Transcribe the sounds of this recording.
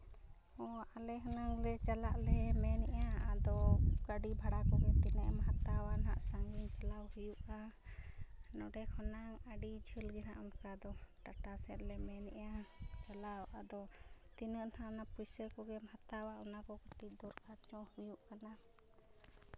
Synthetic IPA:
ɔalɛɦɔnaŋlɛt͡ʃalaʔlɛmɛnɛʔaad̪ɔkəɖibʱaɽakɔɡɛt̪inəʔmɦat̪awana̰ʔsaŋɡint͡ʃalawhujuʔa | nɔɖɛkʰɔnaŋaɖid͡ʒʱəlɡɛnaʔɔnkad̪ɔʈaʈasɛt̪lɛmɛnɛʔat͡ʃalawʔad̪ɔt̪inəʔnaʔnapujsəkɔɡɛmhat̪awaɔnakɔkəʈ̪iʔ̚d̪ɔɾkat͡ʃɔ̃hujuʔkana

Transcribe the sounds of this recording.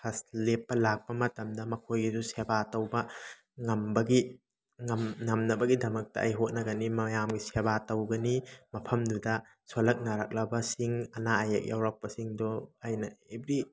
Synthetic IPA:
pʰɐslepːɐlak̚pɐmɐtɐmdɐmɐkʰojɡizusebatɐwbɐ | ŋɐmbɐɡi | ŋɐmnɐmnɐbɐɡidɐmɐk̚tɐʔɐjɦot̚nɐɡɐnimɐjamɡisebatɐwɡɐnimɐpʰɐmdudɐ | solɐk̚naɾak̚lɐbɐsiŋɐnaajɐk̚jawɾak̚pɐsiŋdɔajnɐebɾi

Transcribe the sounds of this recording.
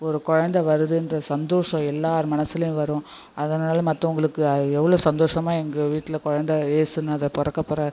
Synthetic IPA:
ɔɾɯkɔɻɐnd̪ɐʋɐɾɯðɯɛndrɐsɐnd̪oːʂɐ̃ɛlːaːɾɯmɐnɐsːɪlɐjʊ̃ʋɐɾʊ̃ | ʔɐðɐnaːlɐmɐt̪ːɐ̃ʊŋɡɐɭɯkːɯɐɛʋːɐɭoːsɐnd̪oːʂɐmaːɛŋɡɐʋiːʈːɪlɐkɔɻɐnd̪ɐeːsɯnːɐðɐpɔɾɐkːɐpːɔɾɐɾ

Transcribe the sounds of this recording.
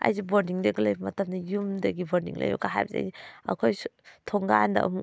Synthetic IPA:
a̰jziboɾniŋdɐɡɐlɐjbɐmɐtʰɐmdɐjumdɐɡiboɾdḭŋlɐ̰jbo̰kaɦa̰jbɐza̰jɐ̰kʰojtʰoŋɡandɐ̰ʔɐ̰mu

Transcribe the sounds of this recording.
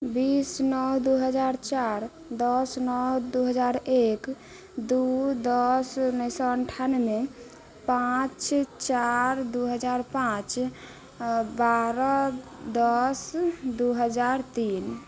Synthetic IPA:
bisnɔɦd̪uɦəd͡ʒaɾt͡ʃaɾ | d̪ɔsnɔɦd̪uɦəd͡ʒaɾek | d̪ud̪ɔsnəsɔəɳʈʰanme | pãt͡ʃt͡ʃaɾd̪uɦəd͡ʒaɾpãt͡ʃ | baɾɔd̪ɔsd̪uɦəd͡ʒaɾt̪in

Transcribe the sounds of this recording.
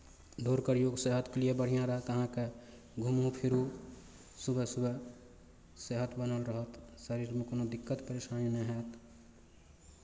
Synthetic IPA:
d̪ʱoɾkəɾjoɡseɦət̪klijebəɽ̤ijãɾəɦət̪əɦãke | ɡʱumɦũpʰiɾu | subʱəsubʱə | seɦət̪bənəlɾəɦət̪səɾiɾmekoːnod̪ikːət̪pəɾesanjneɦɛt̪

